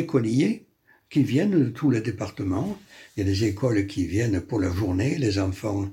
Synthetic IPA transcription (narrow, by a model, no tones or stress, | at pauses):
ekɔlije | kʲivjɛnd̪ət̪ʰuled̪epaʁt̪əmɑ̃ljalezekɔlkʰʲivjɛnpuʁlaʒuʁnelezɑ̃fɑ̃